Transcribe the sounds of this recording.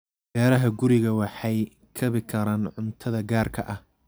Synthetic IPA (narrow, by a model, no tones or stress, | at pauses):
b̥ɛːɾɐɦɐɡʊɾɪɣɐwɑħɑj | kʰɐβɪkʰɐɾaːnʕʊnt̪ʰɐðɐɡaːrkʰɐʔɐh